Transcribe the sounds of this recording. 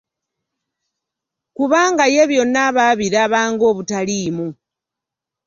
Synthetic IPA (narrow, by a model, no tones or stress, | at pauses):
kuβaːŋɡaje̞βjo̞nːaβaːβiɾaːβaːŋɡo̞ːβutaliːmu